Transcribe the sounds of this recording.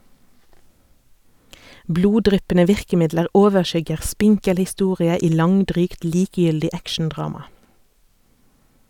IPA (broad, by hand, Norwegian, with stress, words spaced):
ˈbluːˌdʁʏpənə ˈʋɪʁkəˌmɪdləʁ ˈoːʋəˌʃʏɡəʁ ˈspɪŋkəl hɪˈstuːʁɪə ˈiː ˈlɑŋˌdʁyːkt ˈliːkjʏldɪ ˈækʃn̩ˌdʁɑːmɑ